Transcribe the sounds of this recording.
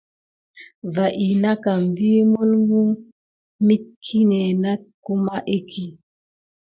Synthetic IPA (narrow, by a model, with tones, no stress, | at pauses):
va˨ʔi˨na˦ka˨m˨vi˦mu˦lɡu˦ | mi˦t̚kʰi˦ne˨na˦t̚ku˦ma˦ʔe˦kʰi˨